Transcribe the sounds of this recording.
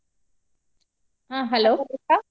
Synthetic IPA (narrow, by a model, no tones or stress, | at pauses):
ãːɦɛloːka